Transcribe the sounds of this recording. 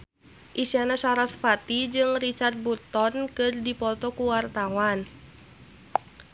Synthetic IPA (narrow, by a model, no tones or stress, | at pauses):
ʔisianasaɾasfat̪id͡ʒɨŋrit͡ʃart̪̚burt̪ɔnkɨrdipɔt̪ɔkuwart̪awan